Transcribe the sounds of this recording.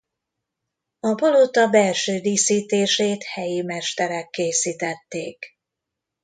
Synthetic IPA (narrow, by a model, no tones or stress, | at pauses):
ɒbolot̪ɒbɛlʃøːd̪iːsiːt̪eːʃeːt̪hɛjimɛʃt̪ɛɾɛkːeːsiːt̪ɛt̪ːeːk